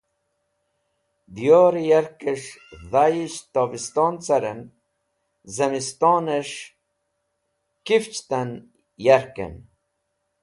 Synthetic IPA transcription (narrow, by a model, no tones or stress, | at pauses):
d̪ijoːɾijaɾkeʂðajiʃt̪ovist̪oːnt͡sɐɾen | zɐmist̪oːneʂ | kift͡ʃt̪an | jaɾkḛn